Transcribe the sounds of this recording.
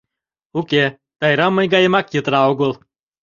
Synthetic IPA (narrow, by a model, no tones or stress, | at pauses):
uke | t̪ɑjɾɑmːɤjɡɑjə̆mɑkjət̪ɾɑoɣolˠ